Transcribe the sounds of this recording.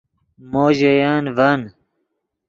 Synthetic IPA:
moːʑejaːnvɐn

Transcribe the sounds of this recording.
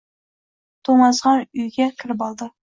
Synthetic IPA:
t̪ʰoŋɑsʁɑnʊjɡʲakʲʰɪɾɪp̬ɑlˠd̪ɪ

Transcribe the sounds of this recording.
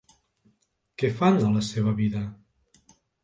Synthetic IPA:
kɛfanələseβ̞əβiðə

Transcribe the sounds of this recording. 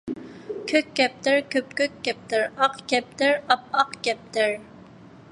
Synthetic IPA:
kʲʰøkʲːɛp̚t̪ɪɾkʲʰøpkʲøk̚ʲːɛp̚t̪ɪɾɑqkʲɛp̚t̪ɪɾɑp̚ɑqkʲɛp̚t̪ɪɾ

